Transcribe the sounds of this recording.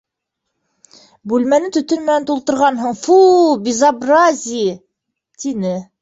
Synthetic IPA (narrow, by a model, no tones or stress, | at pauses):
bʉlmænɘt̪ɵ̆t̪ɵɾmænænt̪ulˠt̪ɤ̆ɾʁɑnɦɤɴfubʲɪzabrazʲɪj | t̪inɘ